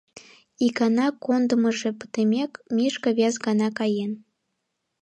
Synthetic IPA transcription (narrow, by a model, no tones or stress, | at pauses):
ikɑnɑkond̪ə̆məʒĕpə̥t̪emʲekmʲiʃkəβʲjɑzɡɑnɑkɑjen